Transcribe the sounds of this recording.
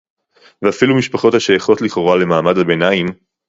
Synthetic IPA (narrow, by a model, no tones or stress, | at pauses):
veafilumiʃpaχo̞thaʃejaχo̞tliχoʁale̞maːmadhabenaim